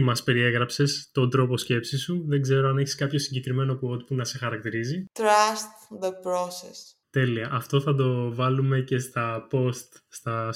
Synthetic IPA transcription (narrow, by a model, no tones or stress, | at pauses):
mɐspe̞ɾie̞ɣɾɐpse̞st̪o̞nd̪ɾo̞po̞sce̞psisuðe̞ɡze̞ɾo̞ɐneçe̥skɐpço̞siɲɟe̞kɾime̞no̞kuot̪̚punɐse̞xɐɾɐkt̪iɾizit̪ɾɐst̪ðəpɾosḛst̪e̞liɐʔɐft̪o̞θɐd̪o̞vɐlume̞ce̞st̪ɐpo̞st̪st̪ɐ